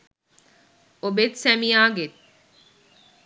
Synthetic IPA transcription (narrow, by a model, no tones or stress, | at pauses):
obet̪sæmiaːɡet̪